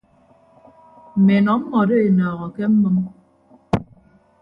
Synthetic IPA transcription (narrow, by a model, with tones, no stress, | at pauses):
m̩˨me˨nɔ˨m̩˦mɔ˨de˦e˨nɔː˨ɣɔ˨kɛ˦m̩˦mɨ˦m